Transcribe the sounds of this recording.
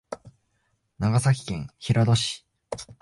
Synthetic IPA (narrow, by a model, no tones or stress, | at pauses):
naɡasakʲi̥kẽ̞ɰ̃çiɾad̪o̞ɕi̥